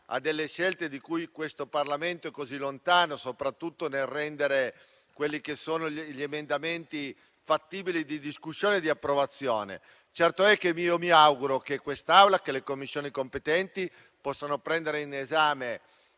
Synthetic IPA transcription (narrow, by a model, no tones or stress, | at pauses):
a̰d̪ːelːeʃɛlt̪ed̪ikujkwest̪oparlament̪oɛkːozilːont̪aːnosopɾat̪ːut̪ːonelrːɛnd̪eɾe | kwelːikesːoːnoʎemend̪ament̪i | fat̪ːiːbilid̪id̪iskusːjoːned̪iapːɾovat̪sːjoːnḛ | t͡ʃɛrt̪oɛkːemiomiawɡuɾok̟ekːwest̪awlakelekomːisːjoːnikompet̪ɛnt̪i | pɔsːanopɾɛnd̪eɾeinezaːme